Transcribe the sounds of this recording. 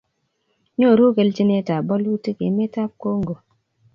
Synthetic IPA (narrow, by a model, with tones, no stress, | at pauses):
ɲo˦˨ɾu˦ke˨lti˦ne˦ta˨bɔ˦lu˦te˦ke˨˦me˦ta˦p̚ko˦ŋ̩˨ɡo˨